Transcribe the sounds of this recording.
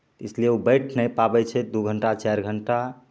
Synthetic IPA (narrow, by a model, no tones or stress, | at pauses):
t̪islijeubəjʈʰnɛpabɛt͡ʃʰɛd̪uɡʱəɳʈat͡ʃaɾɡʱəɳʈa